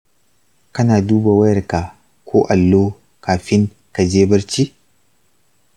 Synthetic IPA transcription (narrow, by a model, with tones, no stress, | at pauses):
kɐ˦naː˨duː˦ba˨wɐ˦jɐ˨rka˨ | kʷʰoː˦ʔa˨lːoː˦ | kaː˨ɸɪ˦ŋ | ka˨d͡ʒeː˦bɐ˦ɾt͡ʃiː˦